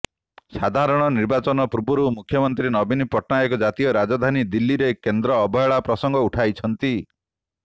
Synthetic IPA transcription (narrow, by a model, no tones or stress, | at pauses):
sad̪ʱaɾɔɽ̃ɔniɾbat͡ʃɔnɔpuɾbuɾumukʰjɔmɔnt̪ɾinɔbinipɔʈʰnajɔkɔd͡ʒat̪ijɔɾad͡ʒɔd̪ʱanid̪ilːiɾekend̪ɾɔːbʱɔjɔɭapɾɔsɔŋɡɔuʈʰajt͡ʃʰɔnt̪i